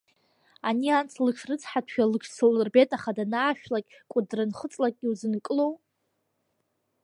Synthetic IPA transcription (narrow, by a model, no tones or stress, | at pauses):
aniant͡sʰlɨkʂʰrɨt͡sʰħatʰʃᶣalɨkʰsolrbetʼaχadanaːʃᶣlakʲʼ | kʷʼʊdrɨnχət͡sʼlakʲʼɡʲiuzɨnkʼɨlow